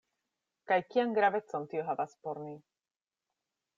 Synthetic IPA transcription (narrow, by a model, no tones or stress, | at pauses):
kajkijaŋɡɾavet͡sont̪ioɦavaspoɾni